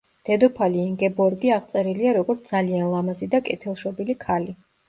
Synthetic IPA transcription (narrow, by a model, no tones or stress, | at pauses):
d̪̥ɛd̪ɔpʰaliːŋɡɛbɔɾɡiaʁt̪sʼɛɾiliaɾɔɡɔɾt̪sʰd̪zalianlˠamazid̪akʼɛt̪ʰɛlˠʃɔbilikʰali